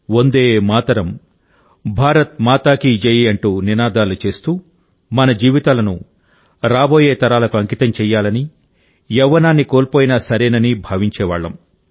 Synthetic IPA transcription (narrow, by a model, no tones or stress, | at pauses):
ond̪eːmaːt̪ɐɾɐm | bʱaːɾɐt̪̚maːt̪aːkid͡ʒɐjiɐɳʈuːninaːd̪aːlut͡ʃe̞ːst̪uː | mɐnɐd͡ʒiːʋit̪aːlɐnu | ɾaːbo̞ːjeːt̪ɐɾaːlɐkuɐŋkit̪ɐmt͡ʃɛːjːaːlɐni | jɛʋːɐnaːnːikoːlpoːjinɐsɐɾeːnɐnibʱaːʋiɲt͡ʃɛːʋa̰ːɭːɐm